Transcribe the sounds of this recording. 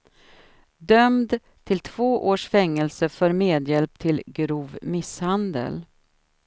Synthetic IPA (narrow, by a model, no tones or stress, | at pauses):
d̪œmd̪ | t̪ʰɪlt̪ʰv̥oːʔoːʂfɛŋːɛlsəfœːɾmeːd̪jɛlp̚t̪ʰɪlɡɾuːvmɪshand̪ə̰l